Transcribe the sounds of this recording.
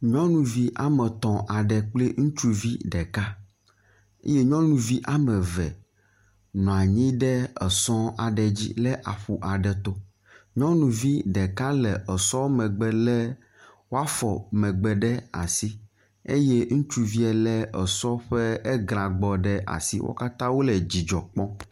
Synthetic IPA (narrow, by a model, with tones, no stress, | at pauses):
ɲɔ̃˦nũ˨vi˦ʔa˨mɛ˨t̪ɔ̃˨ʔa˨ɖɛ˨k͡ple˦ŋũ˦t͡ʃu˦vi˦ɖɛ˨ka˦ | ḛ˦je˦ɲɔ̃˦nũ˨vi˦ʔa˦mɛ˨vɛ˨ | nɔ̃˨a˨ɲĩ˦ɖɛ˦ɛ˨sɔ̃˦a˨ɖɛ˨d͡ʑḭ˦lɛ˦ʔa̰˨ɸu˨ʔa˨ɖɛ˨t̪o˦ | ɲɔ̃˦nũ˨vi˦ɖɛ˨ka˦lɛ˨ʔɛ˨sɔ̃˦mɛ̃˨ɡ͡bɛ˨lɛ˦ | wo˦a˦fɔ˨mɛ̃˨ɡ͡bɛ˨ɖɛ˦a̰˨si˦ | ḛ˦je˦ŋũ˦t͡ʃu˦vi˦ɛ˨lɛ˦ɛ˨sɔ˦ɸɛ˦ɛ˦ɡɾ̃ã˨ɡ͡bɔ˨ɖɛ˦ʔa̰˨sḭ˦wʔo̰˦ka˦t̪ã˦wo˦lɛ˨d͡ʑi˨d͡ʒɔ˨k͡pɔ̃˦